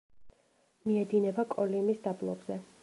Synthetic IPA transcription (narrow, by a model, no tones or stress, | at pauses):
miɛd̪inɛbakʼɔlimisd̪ablˠɔ̰bzɛ